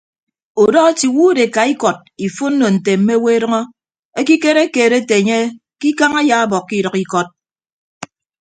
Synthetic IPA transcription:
o˨dɔ˦ɣa˦ti˨wu˦de˨ka˨i˦kɔ˨d̚i˨fo˦n̩˦no˨n̩˨te˨m̩˦me˦we˦e˦ɾʌ˦ŋɔ˦ | e˦ki˦ke˦ɾe˦keː˨ɾe˦te˨e˨ɲe˦ | ki˦ka˦ŋa˦ja˨˦a˦bɔ˨kːi˦ɾʌ˨ki˦kɔ˦t̚

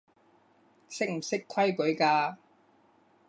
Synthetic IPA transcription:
sɪ˥k̚m̩˨˩sɪ˥kʰɐ˥jkɵ˨˥ɥkaː˧

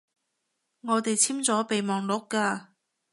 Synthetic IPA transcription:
ŋɔː˨˧t̪e˨jt͡sʰiː˥mt͡sɔː˨˥pe˨jmɔː˨ŋlʊ˨˥kːaː˧

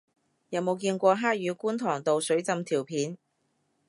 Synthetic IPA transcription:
jɐ˨˧wmo˨˧wkiː˧nkʷɔː˧ɦaː˥k̚jyː˨˧kuː˥nt̪ʰɔː˨˩ŋt̪o˨wsɵ˨˥ɥt͡sɐ˧mt̪ʰiː˨˩wpʰiː˨˥n

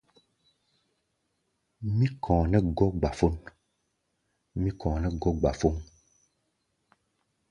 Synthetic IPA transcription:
mĩ˦kʰɔ̃ː˨nɛ̃˦ɡɔ˦ɡ͡ba˨fo˦n | mĩ˦kɔ̃ː˨nɛ̃˦ɡɔ˦ɡ͡ba˨fo˦ŋ

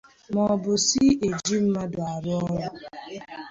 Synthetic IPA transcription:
mɔ˨bʊ˨si˦e˨d͡ʒi˦m̩˦ma˦dʊ˨a˨ɾʊ˦ɔ˦ɾʊ˦

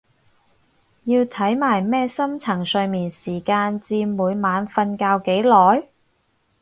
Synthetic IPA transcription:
jiː˧wt̪ʰɐ˨˥jmaː˨˩jmɛː˥sɐ˥mt͡sʰɐ˨˩ŋsɵ˧ɥmiː˨nsiː˨˩kaː˧nt͡siː˧muː˨˧jmaː˨˧nfɐ˧nkaː˧wke˨˥jlɔː˨˥j

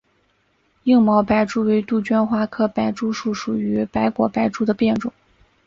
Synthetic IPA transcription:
i˥˧ŋmɑ˧˥ʊpa˧˥ɪʈ͡ʂu˥we˧˥ɪt̪u˥˩t͡ɕɥɛ˥nxwa˥˩kʰɤ˥˩pa˧˥ɪʈ͡ʂu˥ʂu˥˩ʂu˨˩y˧˥pa˧˥ɪkwɔ̰˨˩pa˧˥ɪʈ͡ʂu˥d̪ə˨pjɛ˥˩nʈ͡ʂʊ̰˨˩˦ŋ

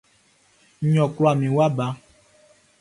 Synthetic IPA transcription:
ɲɔ̃˨klɔ˦a˨mĩ˨wa˦ba˧˦

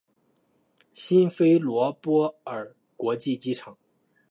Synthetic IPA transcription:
ɕi˥nfe˥ɪlwɔ˧˥pwɔ˥ə˞˨˩ | kwɔ˧˥t͡ɕi˥˩t͡ɕi˥ʈ͡ʂʰɑ˨˩˦ŋ

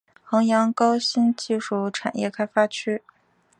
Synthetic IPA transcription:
xɤ˧˥ŋjɑ˧˥ŋkɑ˥ʊɕi˥nt͡ɕi˥˧ʂu˥˩ʈ͡ʂʰa˨˩njɛ̰˥˩kʰa˥ɪfa˥t͡ɕʰy˥

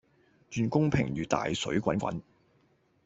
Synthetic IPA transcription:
t͡ʃyː˧nkʊ˥ŋpʰɪ̰˨˩ŋjyː˨t̪a̰ː˨jsɵ̰˨˥ɥkʷɐ˨˥nkʷɐ̰˨˥n

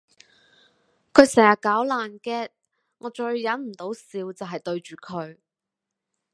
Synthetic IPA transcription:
kʰɵ˨˧ɥsɛː˨˩ŋjɐ˨t̚kaː˨˥wlaː˨nkɛː˥t̚ | ŋɔː˨˧t͡ʃɵ˧ɥːɐ˨˥nm̩˨˩t̪o˨˥wsiː˧wt͡sɐ˨wɦɐ˨jt̪ɵ˧ɥt͡ʃyː˨kʰɵ˨˧ɥ

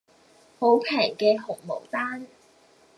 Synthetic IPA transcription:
ho˨˥wpʰɛː˨˩jkɛː˧ɦʊ˨˩ŋmo̰˨˩wt̪aː˥n

